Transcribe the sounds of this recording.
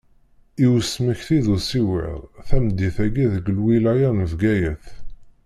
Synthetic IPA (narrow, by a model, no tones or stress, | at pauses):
iwəsməçθiðusiwḭʁˤθæmd̪ːiθæɡiðəɡəlwilæjænəvɡæjæθ